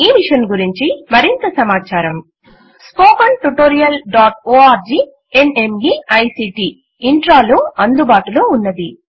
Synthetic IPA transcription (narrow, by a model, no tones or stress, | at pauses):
iːʋiʂjɐnɡuɾiɲt͡ʃimɐɾint̪ɐsɐmaːt͡ʃaːɾɐm | spoːkɐɳʈuʈoːɾijɐlɖaːʈoːaːɾd͡ʒiː | ene̞mɡiɐjsiːʈi | iɳʈɾaːluɐnd̪ubaːʈuluunːɐd̪i